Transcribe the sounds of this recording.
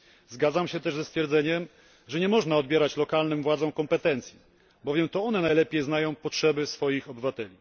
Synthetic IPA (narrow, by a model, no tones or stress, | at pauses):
zɡad̪zamɕɛt̪ɛʐzɛst̪fʲjɛɾd̪zɛɲɛm | ʐɛɲɛmɔʐnaɔd̪bjɛɾat͡ɕlɔkalnɘmvwad̪zɔ̃w̃kɔmpɛt̪ɛnt̪sʲji | bɔvʲjɛmt̪ɔɔnɛnajlɛpʲjejznajɔ̃w̃pɔtʂɛbɘsfɔjixɔbɘvat̪ɛlʲi